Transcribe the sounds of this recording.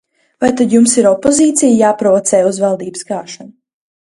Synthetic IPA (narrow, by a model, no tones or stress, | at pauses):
vajt̪ad̪jumsiɾɔpːɔziːt̪sʲijjaːpɾɔvɔt̪sɛːjuzvalˠd̪iːbsɡaːʃanu